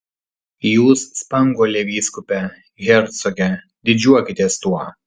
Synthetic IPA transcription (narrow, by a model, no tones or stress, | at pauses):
juːsːpɐŋɡolʲeːʋʲiːskʊpʲɛ | ɣʲɛɾt̪sɔɡʲɛ | d̪ʲɪd͡ʒʲuɔkʲɪt̪ʲiːst̪uɔ